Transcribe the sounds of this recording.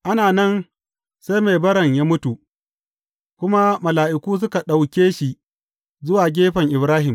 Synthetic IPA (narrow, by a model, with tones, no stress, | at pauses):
ʔa˦naː˨nɐ˦n | sa˦jme˨bɐ˦ɽɐ˨ɲjaː˦mʊ˦tu˨ʔ | kʷʊ˦ma˦mɐ˨laː˨ʔɪ˨kʷuː˦s̬ʊ˦ka˨ɗa˨wkʲeː˦ʃi˨ | zʊ˦waː˨ɡʲeː˦ɸɐ˨ŋʔɪ˨bɾaː˦ɦɪ˨m